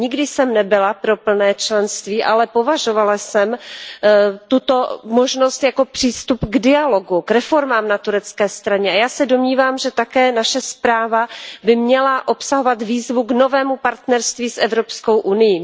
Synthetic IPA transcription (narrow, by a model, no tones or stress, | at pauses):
ɲɪɡdɪsɛmnɛbɪlapɾo̞pl̩nɛːt͡ʃlɛnst̪viːʔa̰lɛpo̞vaʒo̞valasɛm | t̪ut̪o̞moʒno̞st̪jako̞pr̝̥iːst̪upɡdɪalo̞ɡukɾɛfo̞ɾmaːmnat̪uɾɛt͡skɛːst̪ɾaɲɛajaːsɛdo̞mɲiːvaːmʒɛt̪akɛːnaʃɛspɾaːvabɪmɲɛlaʔo̞psaɦo̞vat̪viːzvuɡno̞vɛːmupaɾt̪nɛɾst̪viːsʔɛvɾo̞psko̞wʔunɪji